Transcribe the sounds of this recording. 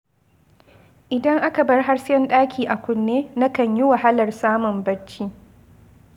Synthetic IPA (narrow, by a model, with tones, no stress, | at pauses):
ʔɪ˨dɐ˦ŋʔa˦ka˨bɐ˦rɦa˦ɽsjɛ˦nɗaː˦kʲiː˨ʔa˨kʷʊ˨nːeː˦na˦kɐ˨ɲjɪ˦wa˨ɦa˦lɐ˨rsaː˦mʊ˨mbɐ˦t͡ʃːiː˦